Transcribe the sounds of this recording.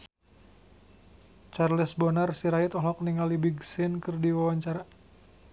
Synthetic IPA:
t͡ʃarlisbɔnarsiɾait̪ɔɦlɔk̚niŋalibiɡsɪnkɨrdiwawaɲt͡ʃaɾa

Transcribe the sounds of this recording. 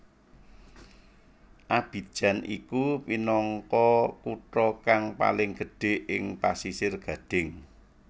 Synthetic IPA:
ʔab̥i̤d̥ʒ̥a̤nʔḭkupinɔŋkɔkuʈɾɔkaŋpa̰lɪŋɡ̥ə̤ɖ̥e̤ʔɪŋpasisɪrɡ̥a̤d̥ɪ̤ŋ

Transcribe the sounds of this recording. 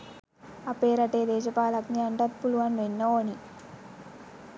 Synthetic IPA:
ɐpeːɾɐʈeːd̪eːd͡ʒɐpaːlɐkniɐɳʈɐt̪̚puluʋanʋenːɐoːni

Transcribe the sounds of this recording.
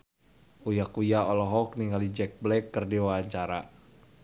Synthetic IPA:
ujakujaɔlɔɦɔk̚niŋɡalid͡ʒɛk̚blɛkːərdiwaaɲt͡ʃaɾa

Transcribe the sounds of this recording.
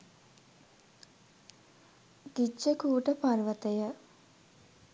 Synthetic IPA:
ɡ̥it͡ʃːəkuːʈəparʋət̪əjə

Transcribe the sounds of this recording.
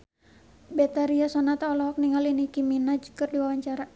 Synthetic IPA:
bɛt̪aɾiasɔnat̪aɔlɔɦɔk̚niŋalinikiminad͡ʒu̥kɨrdiwawaɲt͡ʃaɾa

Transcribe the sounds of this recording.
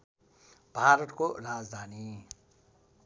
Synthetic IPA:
b̥ʱaːɾʌt̪koɾaːd͡zd̪ʱaːni

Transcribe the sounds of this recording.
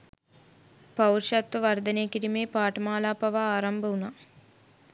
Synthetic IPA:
pɐwrʃat̪ʋəʋɐrd̪ɐneːkiɾimeːpaːʈəmaːlaːpaʋaaːɾɐmbɐuna

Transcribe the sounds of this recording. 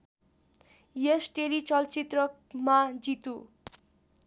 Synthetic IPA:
jesʈelit͡sʌlt͡sit̪rʌk | mad͡zit̪u

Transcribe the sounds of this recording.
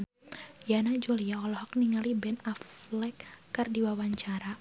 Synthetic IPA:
janad͡ʒoliaɔlɔhɔk̚niŋalibɛnaflɛkːardiwawaɲt͡ʃaɾa

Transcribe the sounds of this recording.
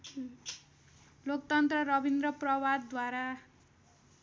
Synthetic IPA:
lok̚t̪ʌnt̪rʌɾʌbʱind̪rʌprʌwad̪ːwaɾa

